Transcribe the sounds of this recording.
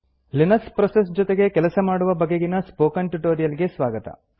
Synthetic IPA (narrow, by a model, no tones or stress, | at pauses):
linɐspɾɐses̬d͡ʒɔt̪eɡe̞kɛlɐsɐmaːɽuʋɐbɐɡeɡinɐspoːkɐɳʈuʈoːɾijɐliɡe̞sʋaːɡɐt̪ɐ̰